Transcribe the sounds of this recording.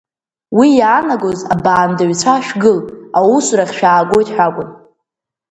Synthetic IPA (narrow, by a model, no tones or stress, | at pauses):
wijaːnaɡozabaːndaɥt͡sʷʰaʃᶣɡɨlawusraχʲʃᶣaːɡʷo̞jtʼħʷᶣakʷʼʊn